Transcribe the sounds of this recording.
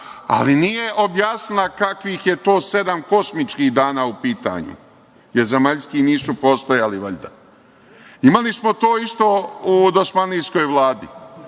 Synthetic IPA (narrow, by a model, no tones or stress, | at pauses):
a̰linijeʔo̞bjaːsnilˠakakʋiːxje̞t̪o̞ːse̞d̪amko̞smit͡ʃkiːhd̪aːnaːupiːt̪a̰ɲṵ | jeɾze̞maʎskiniːsupoːst̪ojaliʋoʎʲd̪a | imalismo̞t̪o̞ːist̪o̞ːud̪osmaniːsko̞jʋlˠaːd̪ḭ